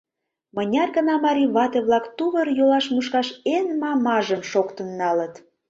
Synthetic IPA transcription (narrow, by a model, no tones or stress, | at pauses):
mə̆nʲɑrɣə̆nɑmɑɾʲiβɑt̪eβlɑkt̪uβərjolɑʃmuʃkɑʃenmɑmɑʒəmʃokt̪ənːɑlət̪